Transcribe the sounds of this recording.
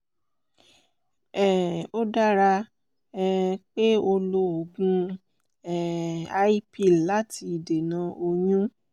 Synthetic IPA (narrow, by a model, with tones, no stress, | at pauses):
ɛ˨o˦da˦ɾa˧ | ɛ˦k͡pe˦o˧lo˧o˨ɡũ˧ | ɛ˨a˧i˦pi˦˨la˨˦tʰi˧i˨de˨nã˧˦o˧ɲũ˦